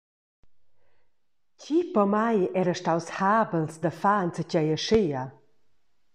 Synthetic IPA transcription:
cipɔmajɛɾəʃtawshaːbəlsd̪əfant͡səcajəʃea

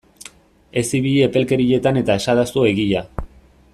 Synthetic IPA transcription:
e̞siβiʎepe̞lke̞ɾiʎe̞t̪ane̞t̪ae̞saðast̪oe̞ɣiʎa

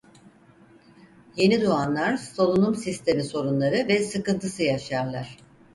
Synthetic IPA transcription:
je̞nid̪uanlˠaɾsolˠunumsist̪ʰe̞miso̞ɾunlˠaɾɯvɛsɯkɯnt̪ʰɯsɯjaʃaɾlˠaɾ̥

